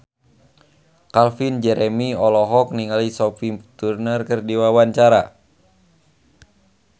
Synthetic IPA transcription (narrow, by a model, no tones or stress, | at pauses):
kalfind͡ʒɛɾɛmiɔlɔɦɔk̚niŋalisɔfit̪urnərkɨrdiwawaɲt͡ʃaɾa